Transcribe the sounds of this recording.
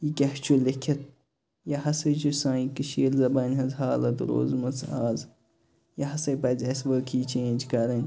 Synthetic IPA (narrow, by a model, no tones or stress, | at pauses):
jikʲɐht͡ʃʰulekʰʲɐt̪̚ | jɐhɐsɐjt͡ʃusãːikɨʃeːlzɐbɐnʲɦɐzɦaːlɐt̪ɾo̰ːzmɐt͡sʰaːz | jɐɦɐsɐjpɐzʲɐsʋəːkʰiːt͡ʃʰeːnʲd͡ʒkɐɾɐnʲ